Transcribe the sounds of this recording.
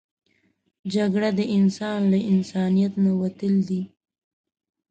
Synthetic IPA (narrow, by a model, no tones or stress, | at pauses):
d͡ʒaɡɽad̪əʔɪnsɑnlaʔɪnsɑnijat̪nawat̪əld̪i